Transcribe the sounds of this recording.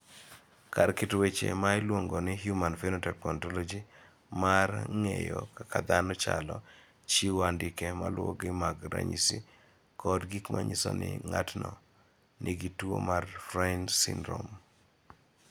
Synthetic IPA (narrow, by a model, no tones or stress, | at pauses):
karkɪtwet͡ʃḛmaɪlwoŋɡonɪɦjumanfinotɛpɔntɔlɔd͡ʒi | marŋejokakad̪anɔt͡ʃalɔ | t͡ʃiwandɪkɛmalwɔ̰ɡɪmaɡɾa̰ɲisi | kɔdɡikmʔaɲisonɪ̰ŋatnɔ | nʔɪɡituo̰marfɾansḭndɾom